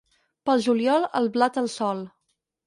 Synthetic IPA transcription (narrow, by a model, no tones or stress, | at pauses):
pəlˠʒuljɔlˠə̰lˠβlat̪əlˠsɔlˠ